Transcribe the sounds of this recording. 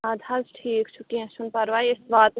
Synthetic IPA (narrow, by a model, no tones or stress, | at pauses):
ad̪ʱɐzʈʰiːkt͡ʃʰukiẽʃʊnpɐɾʋaːiɪsbaːt̪